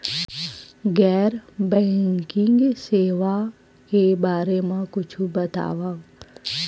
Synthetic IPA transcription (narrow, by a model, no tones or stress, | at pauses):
ɡɛːɾbɛ̃ːŋkɪ̃ŋɡseːʋa | kebaːɾemẽkʊt͡ʃʰubət̪a̰ːʋa